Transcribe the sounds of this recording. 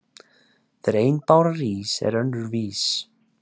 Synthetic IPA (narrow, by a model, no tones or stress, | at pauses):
θɾejnpaːwɾaɾiːsɛ̰ɾœndʏɾviːs